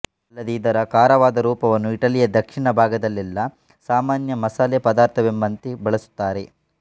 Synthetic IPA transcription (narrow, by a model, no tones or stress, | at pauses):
ɐlːɐd̪eid̪ɐɾɐkaːɾɐʋaːd̪ɐɾuːpɐʋɐnːuiʈɐlijɐd̪ɐkʂiɳɐbʱaːɡɐd̪ɐlːilːɐ | saːmaːnjɐmɐsaːleːpɐd̪aːɾt̪ʰɐbembɐnt̪ibɐɭɐsu̥t̪ːaːɾe